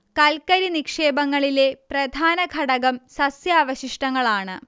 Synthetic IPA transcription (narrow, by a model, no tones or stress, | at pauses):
kɐlkɐɾinikʂeːbɐŋːɐɭile̞prɐd̪ʱaːnɐɡʱɐɽɐɣɐmsɐsjɐːʋɐɕiʂʈɐŋːɐɭaːɳɨ